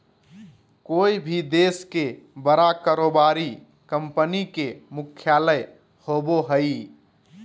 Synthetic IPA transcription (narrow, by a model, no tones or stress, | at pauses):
koibʱid̪eske | bəɾakaɾobaɾi | kəmpənikemukʰjaləj | hoboɦəi